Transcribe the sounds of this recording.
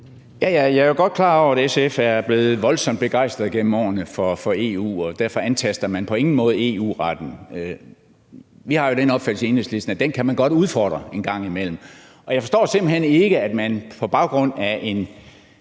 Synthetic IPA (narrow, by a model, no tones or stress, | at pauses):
jæjæjɑ̈æɐjoɡ̥ɒ̽d̥kʰlɑ̈ːɒʊ̰ɐædesefæɐb̥le̝ːð̞̩ˠʋɒ̽lsɒ̽md̥b̥e̝ɡ̥ɑ̈ɪsd̥ʁɐðˠɡ̥en̰m̩ɒ̰ːnəfɒfɒ̽e̝̰ːṵːɒ̽d̥æɐfɒ̽ænkʰæsd̥ɐmænpʰɒ̽e̝ŋn̩mɔ̽ːð̞̩ˠe̝̰ːṵːʁɑd̥n̩ | ʋihɑ̈jo̝ɾ̥enɒ̽b̥fæl̰sie̝nesle̝sd̥n̩æd̥enkʰæmænɡ̥ɒ̽d̥uð̞ˠfɒ̰ːd̥ʁɐe̝nɡ̥ɑ̈ŋ̰imel̰m̩ | ɒjɑ̈ɪfɒ̽sd̥ɒ̰ːse̝mb̥l̩hene̝ɡ̥əæd̥mænpʰɒ̽b̥ɑ̈ʊɡ̥ʁɔ̽n̰æʔe̝n